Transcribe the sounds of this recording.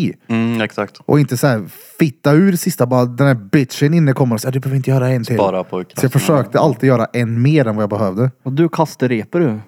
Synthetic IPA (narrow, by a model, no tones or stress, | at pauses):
ɛksakt̪ʔɔ̰ɪnt̪əsɔhæːɾ | fɪt̪ːaʉ̟ːɖɛsɪst̪abɑːɾad̪ɛnæːɾbɪt̪ʂɛnɪnːəkʰɔmːənɔsjad̪ɵbøːvɪnt̪əjœːɾaɛntt̪ɪlːɾapʰɔksɔjɑːfœʂøːk̚t̪əʔalt̪ɪjœːɾaʔɛnːmeːɾɛnvajɑbɛhœːvd̪əd̪ɵkʰast̪əɾeːpəɾʉ